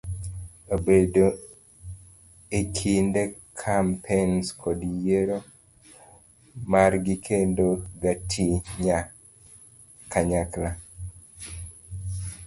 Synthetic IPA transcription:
obedo | ekʰindekʰampʰenskʰɔdjeɾo | maɾɡikʰendoɡatʰiɲa | kaɲakla

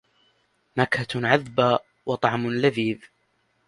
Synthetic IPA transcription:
makhaʕaðbaː | wɑt̪ˤɑʕmʊlaðiːð

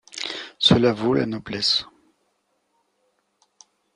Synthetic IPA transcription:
səlavola̰nɔblɛs

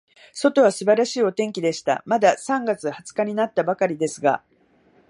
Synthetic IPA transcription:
so̞t̪o̞βasɨbaɾaɕiːo̞t̪ẽ̞ŋkʲid̪e̞ɕi̥t̪a̰mad̪asãŋɡat͡sɨhat͡sɨ̥kaɲ̟inat̪ːabakaɾʲid̪e̞sɨɡa̰

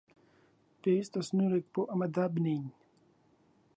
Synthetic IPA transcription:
pest̪ɐsnuɾek̚poʔɐmɐd̪abniɲ

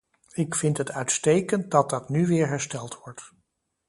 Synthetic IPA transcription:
ɪkfɪntɦətʰœɥtstejkənt̚dɑt̚dɑtnyʋɪːɹɦɛɹstɛlˠtʋɔɹt

